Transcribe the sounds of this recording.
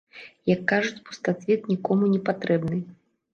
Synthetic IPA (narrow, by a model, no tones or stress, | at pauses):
jɐkːaʐut͡sʲpu̥st̪at̪vʲit̪̚nʲikɔmunʲɛpat̪ɾɛbnɨj